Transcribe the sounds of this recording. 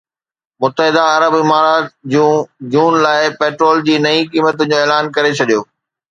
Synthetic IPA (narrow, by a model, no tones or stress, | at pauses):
mʊt̪ːəɦɪd̪aɐɾəbɪmaːɾaːt̪d͡ʑũːd͡ʑũːnlaːɪpeːʈɾoːld͡ʑiːnɐĩkiːmət̪ənd͡ʑoːeːlaːnkɐɾet͡ɕʰɐɗijoː